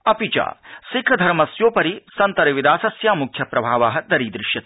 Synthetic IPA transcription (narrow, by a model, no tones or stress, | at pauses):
ɐpit͡ʃa̰ːsikʰːɐd̪ʱɐɾmɐsjoːpɐɾisɐnt̪ɐɾɐʋid̪aːsɐsjaːmukʰjɐpɾɐbʱaːʋaːɦɐd̪ɐɾiːd̪ɾɪʃjɐt̪i̥